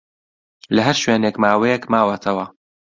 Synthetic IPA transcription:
lɐɦɐɾʃweːneːkmaːwejɛkmaːwɐt̪ʰɐwɐ

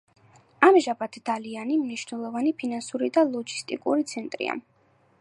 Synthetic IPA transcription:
amʒabat̪ʰd̪̥alianimniʃnɛlˠɔvanipʰinansuɾid̪alˠɔɡi̥st̪ʼḭkʼṵɾit̪sʰɛnt̪ʼɾḭa̰

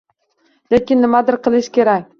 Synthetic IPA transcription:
lekʲɪnːɪmad̪ɪɾqʰɨlˠɪʃkʲʰe̞ɾakʲ

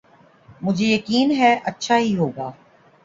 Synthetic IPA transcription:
mʊd͡ʒʱejɐkiːnɦɛʔɐtːʃʰaɦiɦoːɡaː

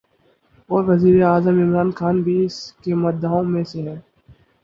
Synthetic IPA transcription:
ɔːɾʋɐziːɾeaːzəmɪmɾaːnxaːnbʱiɪskemɐd̪ʱaːõmẽseɦɛː

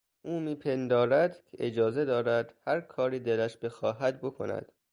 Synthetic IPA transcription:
ʔuːmiːpʰe̞nd̪ɒːɾæd̪̥cʲʰeʔed͡ʒɒːze̞d̪ɒːɾæd̪̥hæɾkʰɒːɾiːd̪elæʃbe̞xɒːɦæd̪̚bo̞kʰo̞̰næ̰d̪̥

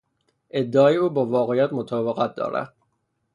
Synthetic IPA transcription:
ʔed̪ːɒːjeuːbɒːvɒːɣejæt̪mot̪ʰɒːbeɣæt̪̚d̪ɒ̰ːɾæ̰d̪̥

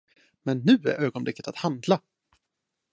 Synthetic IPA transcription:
mɛnːʉ̟ːæ̰ɾʔøːɡɔnblɪkːə̥t̪at̪hand̪la

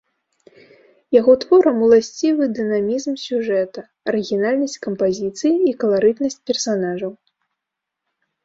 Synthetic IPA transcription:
jaɣɔt̪vɔɾɐmulˠasʲt͡sʲivɨd̪ɨnamʲizmsʲuʐɛt̪ɐ | ɐɾɨɣʲinalʲnɐsʲt͡sʲkɐmpazʲit̪sɨjiːkɐlˠaɾɨt̪nɐsʲt͡sʲpʲɛrsanaʐɐw

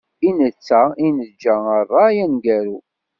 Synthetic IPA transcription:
inət͡sːæinəðd͡ʒæərˤːɑjænɡæɾu

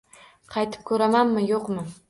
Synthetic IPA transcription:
qʰɑjt̪ʰɪ̥p̚kʲʰɵɾamanmɪjoqmɪ

